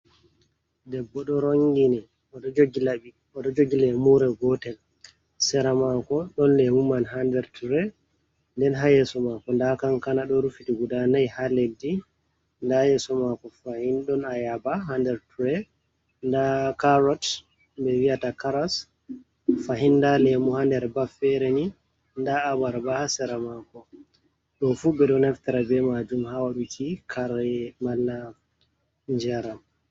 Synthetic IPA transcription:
dɛbːɔɗɔɾoŋɡini | ɔɗɔd͡ʒoɡilaɓi | ɔɗɔd͡ʒoɡilɛmuɾɛɡɔtɛl | sɛɾamakɔɗɔnlɛmumanɦandɛɾtuɾɛ | ndɛnɦajɛsɔmakɔndakaŋkanaɗɔɾufitiɡudanajhaledi | ndajɛsɔmakɔfahinɗɔnajabaɦandɛɾtuɾɛ | ndakaɾɔt | bɛwiatakaɾas | faɦindalɛmuhandɛɾbafɛɾɛni | ndaːbaɾbahasɛɾamakɔ | ɗɔfubɛɗɔnaftaɾabɛmad͡ʒumhawaɗukʰikʰaɾamalːa | ɲd͡ʒɛɾam

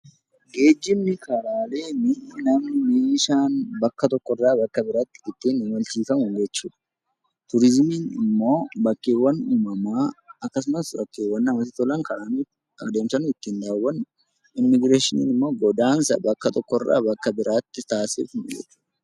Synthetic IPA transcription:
ɡe̞ːd͡ʒːɪmnɪkɐlaːle̞ːnɪnɐmnɪmeːʃaːnbɐkːɐt̪ɔkːɔrːaːbɐkːɐbɪɾaːt̪ːɪɪt̪ːiːnɪnwɐlt͡ʃiːfɐmʊnd͡ʒɛt͡ʃːuːᶑ̪ɐ̥ | t̪ʊɾɪzmiːnɪmːo̞ːbɐkːeːwːɐnuːmɐmaːɐkːɐsʊmɐsbɐkːeːwːɐnːɐmɐs̬ɪt̪ɔlɐŋkɐɾanuː | ɐ̰kd̪eːmsɐnʊɪt̪ːiːnd̪aːwɐn | ɪnmɪɡɾeːʃɪnḭːnɪmːo̞ːɡɔd̪aːnsɐ̰bɐkːɐt̪ɔkːɔrːa̰ːbɐkːɐbɪɾʔaːt̪ːɪt̪aːsɪ̰fnd͡ʒɛ̰ᶑɐ̥

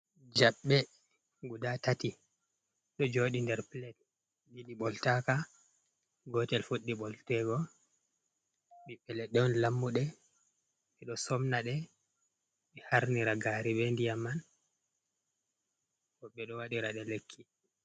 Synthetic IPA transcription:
d͡ʒaɓːɛ | ɡudatati | ɗɔd͡ʒoːɗindɛɾplɛt | jiɗiɓɔltaka | ɡɔtɛlfuɗːiɓɔltɛɡɔ | ɓiɓɛlɛɗɛwnlamːuɗɛ | ɓɛɗɔsɔmnaɗɛ | ɓɛhaɾniɾaɡaːɾiɓɛndijamːan | kɔɓːɛɗɔwaɗiɾaɗɛlekʰːi

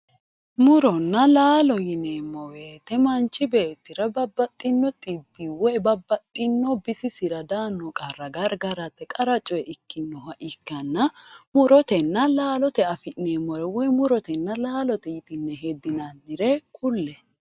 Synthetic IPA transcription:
mʊɾɔnːɐlaːlɔjɪneːmːɔweːt̪ːɛmɐnt͡ʃːɪbe̞ːt̪ːɪɾɐbɐbːɐt̪ʼːɪnːɔt̪ʼɪbːiwɔjbɐbːɐt̪ʼːɪnːɔbɪsɪsɪɾɐd̪aːnːɔkʼɐrːɐɡɐɾɡɐɾɐt̪ːɛkʼɐɾɐt͡ʃʼɔjɛʔɪkːɪnːɔhɐʔɪkːɐnːɐmʊɾɔt̪ɛnːɐlaːlɔt̪ɛɐfɪʔneːmːɔɾɛwɔjmʊɾɔt̪ɛnːɐlaːlɔt̪ɛjɪt̪ʼɪnːɛɦɛd̪ːɪnɐndɪɾɛkʼʊlːɛ

